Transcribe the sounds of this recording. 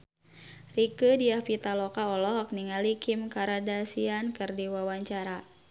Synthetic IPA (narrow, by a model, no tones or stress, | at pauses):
rikədiahpit̪alɔkaɔlɔhak̚niŋalikimkaɾadasiankɨrdiwawaɲt͡ʃaɾa